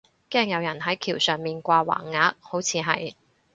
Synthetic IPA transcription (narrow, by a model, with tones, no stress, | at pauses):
kɛː˧ŋjɐ˨˧wjɐ˨˩nɦɐ˨˥jkʰiː˨˩wsœː˨˩ŋmiː˨nkʷaː˧wa̰ː˨˩ŋːaː˨˥k̚ho˨˥wt͡sʰiː˨˧ɦɐ̰˨j